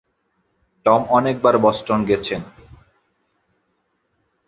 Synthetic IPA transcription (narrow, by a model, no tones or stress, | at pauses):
ʈɔmɔnek̚baɾbɔsʈonɡɛt͡ɕʰen